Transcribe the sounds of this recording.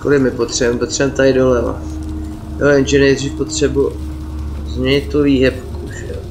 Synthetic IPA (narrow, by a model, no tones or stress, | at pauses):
kolɪmɪpot̪r̥ɛbɛmpot̪rɛɛmt̪aɪdo̞lɛva̰ | jojɛnʒɛnɛjd̪riːfpot̪r̝̥ɛbu | zɲɛɲɪt̪oviːɦɛpkuʒɛ